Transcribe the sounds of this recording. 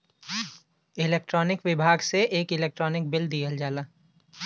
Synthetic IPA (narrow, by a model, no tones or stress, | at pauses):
ɪleːk̚ʈɾɔːnɪkʋɪbʱaːɡseʔeːkɪleːk̚ʈɾɔːnɪk̚bɪld̪ijəld͡ʒaːlaː